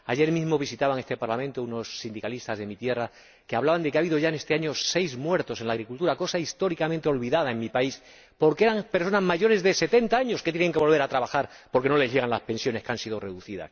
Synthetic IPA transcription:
aʝe̞ɾmizmo̞β̞isit̪aβaŋe̞st̪e̞paɾlamẽnt̪ouno̞sːind̪ikalist̪azðe̞mit̪je̞ra | keaβlaβand̪ekeaβiðo̞ʝaene̞st̪e̞aɲo̞se̞jzmwe̞ɾt̪o̞se̞nlaːɣɾikult̪uɾako̞saist̪o̞ɾikamẽnt̪eo̞lβiðaðaeŋmipais | po̞ɾkeeɾaŋpe̞ɾso̞nazmaʝo̞ɾe̞zðe̞se̞t̪e̞nt̪aaɲo̞sket̪jene̞ŋke̞βo̞lβ̞e̞ɾat̪ɾaβaxaɾ | po̞ɾke̞no̞le̞zʎʝe̞ɣ̞anlaspe̞nsjo̞ne̞skeansiðore̞ðuθiða̰s

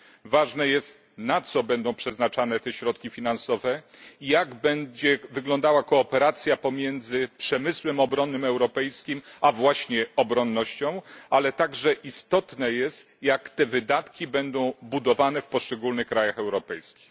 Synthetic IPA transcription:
vaʐnɛjɛst̪ | nat̪sɔbɛnd̪ɔ̃w̃pʂɛznat͡ʂanɛt̪ɛɕɾɔt̪̚kʲifʲinansɔvɛijaɡbɛɲd͡ʑɛvɘɡlɔnd̪awakɔːpɛɾat̪sʲjapɔmʲjɛnd̪zɘpʂɛmɘswɛmɔbɾɔnːɘmɛwɾɔpɛjskʲimavwaɕɲɛɔbɾɔnːɔɕt͡ɕɔ̃w̃alɛt̪aɡʐɛʔist̪ɔt̪nɛjɛst̪jakt̪ɛvɘd̪at̪kʲibɛnd̪ɔ̃w̃bud̪ɔvanɛfpɔʂt͡ʂɛɡulnɘxkːɾajaxɛwɾɔpɛjskʲi̥x

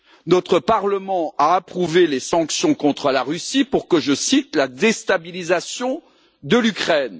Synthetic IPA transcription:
nɔt̪χəpaʁləmɑ̃aːpχuvelesɑ̃ksjɔ̃kɔ̃t̪χəlaʁysipuʁkəʒəsit̪lad̪est̪abilizasjɔ̃ | d̪əlykχɛn

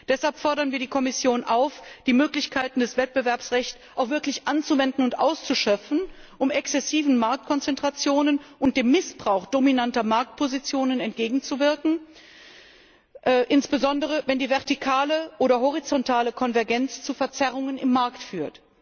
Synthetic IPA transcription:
d̥ɛshalpfɔɐɾɐnviːɐdiːkʰɔmɪsjoːnʔaʊfd̥iːmøːklɪçkʰaɪtn̩dɛsv̥ɛt̚b̥əvɛɐpsʁɛçt͡s | ʔaʊxv̥ɪɐklɪçʔant͡suvɛndn̩ʊntʔa̰ʊst͡suʃœp͡fn̩ʔʊmɛksɛsiːvn̩maɐk̚t̚kʰɔnt͡sɛntʁ̥at͡sjoːnənʔʊnt̚d̥eːmːɪsb̥ʁaʊxd̥ominantɐmaɐk̚t̚pʰozit͡sjoːnənɛntɡ̥eːɡŋ̩t͡suvɪɐkŋ̩ | ʔːʔɪnsb̥əzɔndəʁ̞əvɛndiːvɛɐtikʰaːləʔoːɾɐɦɔʁ̞it͡sɔntʰaːləkʰɔnvɛɐɡɛnt͡st͡sufɛɐt͡sɛʁʊŋənɪmːaɐktfyːɐt

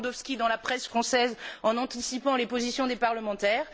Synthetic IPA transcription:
d̪ɔfskʲid̪ɑ̃lapχɛsfχɑ̃sɛzɑ̃nɑ̃t̪isipɑ̃lepozisjɔ̃d̪epaʁləmɑ̃t̪ɛːʁ

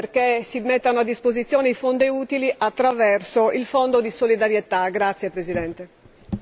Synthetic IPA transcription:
prkesimet̪ːanoad̪ːispozit̪sːjɔːneifond̪euːt̪iliʔat̪ːɾavɛrsoilfond̪od̪isolid̪aɾjet̪aɡɾat̪sːjepɾezid̪ɛnt̪e

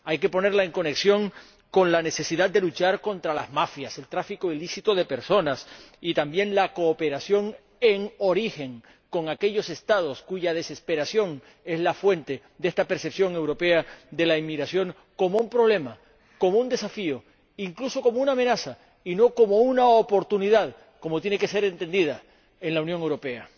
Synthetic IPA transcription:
ajke̞po̞ne̞ɾlaeŋko̞ne̞ksjo̞ŋ | ko̞nlane̞se̞siðad̪̚d̪e̞lut͡ʃaɾko̞nt̪ɾala̰zmafjase̞lt̪ɾafikoilisit̪o̞ðe̞pe̞ɾso̞nasit̪ambje̞nlako̞ːpe̞ɾasjo̞ŋ | e̞ŋo̞ɾixe̞ŋ | ko̞ŋake̞ʎo̞se̞st̪að̞o̞skuʝað̞e̞se̞spe̞ɾasjo̞ŋ | e̞zlafwe̞nt̪e̞ | d̪est̪ape̞ɾse̞psjo̞ŋe̞wɾo̞pe̞ad̪e̞laimːiɣɾasjo̞ŋ | ko̞moumpɾo̞β̞le̞ma | ko̞mound̪e̞safio̞ | iŋkluso̞ko̞mounamẽ̞nasa | ino̞ko̞mo̞unaopo̞ɾt̪uniðað | komo̞t̪je̞neke̞se̞ɾe̞nt̪e̞nd̪iða | e̞nlaunjoŋe̞wɾo̞pe̞a

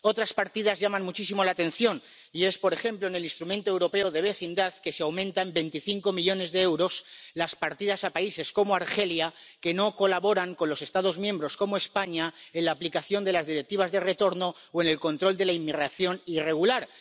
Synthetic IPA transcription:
o̞t̪ɾaspaɾt̪ið̞azʝamanmut͡ʃisimo̞lat̪e̞n̟θjo̞n | ie̞spo̞ɾe̞xe̞mploene̞linst̪ɾumẽnt̪oewɾo̞pe̞oðe̞β̞e̞θind̪aθke̞seawmẽnt̪ambe̞jnt̪iθiŋko̞miʎo̞ne̞zðe̞ewɾo̞slaspaɾt̪ið̞asapaise̞sko̞moaɾxe̞ljake̞no̞ko̞laβo̞ɾaŋkonlo̞se̞st̪að̞o̞zmjẽ̞mbɾo̞sko̞moe̞spaɲae̞nlaːplikaθjo̞nd̪e̞lazðiɾe̞k̚t̪iβ̞azðe̞re̞t̪o̞ɾno̞oe̞ne̞lko̞nt̪ɾo̞ld̪e̞laimːiɣɾaθjo̞nire̞ɣulaɾ

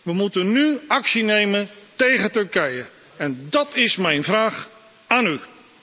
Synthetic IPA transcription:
ʋəmutənnyɑksinejməntejχətɵɹkɛjə | ɛndɑtɪsmɛjnvraːχ | aːny

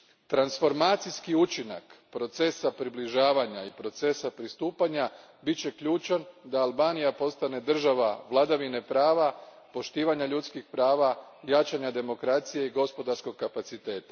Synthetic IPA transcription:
t̪ɾansfo̞ɾmaːt̪sijskiut͡ʃina̰kpɾo̞t̪se̞sapɾibliʒaːʋaɲaipɾo̞t̪se̞sapɾist̪uːpaɲa | bitt͡ɕe̞kʎuːt͡ʃand̪aalˠbaːnijapo̞st̪ane̞d̪r̩ʒaʋaʋlˠad̪aʋine̞pɾaːʋa | po̞ʃt̪iːʋaɲaʎut̪skixpɾaːʋajat͡ʃaɲad̪e̞mo̞kɾat̪sije̞iɡo̞spo̞d̪aɾsko̞ɡ̚kapat̪sit̪e̞ːt̪ḁ

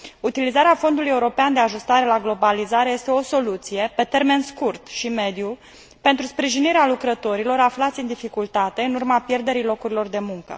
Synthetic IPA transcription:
ut̪ilizaɾeafo̞nd̪uluje̞uɾo̞peand̪e̞aʒust̪aɾe̞laɡlo̞balizaɾe̞je̞st̪eo̞so̞lut̪sije̞pe̞t̪e̞rme̞nskurt̪ʃime̞d̪ju | pe̞nt̪ɾuspɾiʒiniɾealukɾət̪o̞ɾilo̞ɾaflat̪sʲɨnd̪ifikult̪at̪e̞ɨnurmapje̞rd̪e̞ɾilo̞kuɾilo̞rd̪e̞muŋkə̰

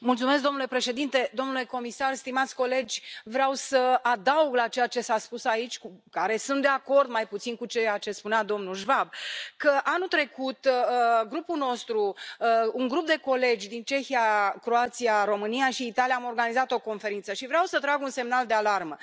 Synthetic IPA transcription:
mult̪sumesk̬̚d̪o̞mnule̞pɾe̞ʃe̞d̪int̪e̞d̪o̞mnule̞ko̞misarst̪imat̪sʲko̞le̞d͡ʒʲvɾeawsəad̪auɡlat͡ʃe̞jat͡ʃe̞saspusait͡ʃʲkukaɾe̞sunt̪d̪e̞ako̞rd̪majput̪sinkut͡ʃejat͡ʃe̞spunead̪o̞mnuʒvab̚kəʔanut̪ɾe̞kut̪ɡɾupuno̞st̪ɾu | uŋɡɾup̚d̪e̞ko̞le̞d͡ʒʲd̪int͡ʃe̞xijakɾoat̪sijaɾo̞mɨnijaʃiːt̪aliaːmo̞rɡanizat̪o̞ko̞nfe̞ɾint̪səʃivɾeawsət̪ɾaɡunse̞mnald̪ealarmə

